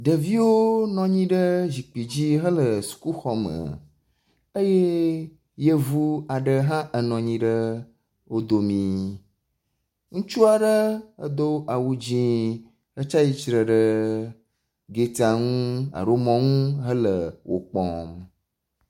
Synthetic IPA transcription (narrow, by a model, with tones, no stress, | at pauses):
ɖə˨vi˦wo˦nɔ̃˨ɲĩ˦ɖə˦d͡ʑi˨k͡pi˨d͡ʑi˦ɦə˦lə˨su̥˨ku˦xɔ˨mə̰˨ | ə˦je˦ | je˦vu˦a˨ɖə˦ɦã˦ʔə˨nɔ̃˨ɲĩ˦ɖə˦ | wo˦d̪o˨mĩ˨ | ŋũ˦t͡ʃu˦a˨ɖə˦ə˦d̪o˦ʔa˨wu˦d͡ʑĩ˦ | ə˦t͡ʃa˦ji˦t͡ʃɾə˨ɖə˦ | ɡe˨t̪a˨ŋũ˦a̰˨ɾo˦mɔ̃˨ŋũ˦ɦə˦lə˨wʔo̰˨k͡pɔ̰̃˨m